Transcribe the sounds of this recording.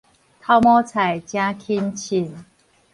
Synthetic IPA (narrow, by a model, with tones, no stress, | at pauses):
t̪ʰa˥˧ʊmɔ˦t͡sʰa˨˩jt͡ɕjã˦kʰi˦nt͡ɕʰi˨˩n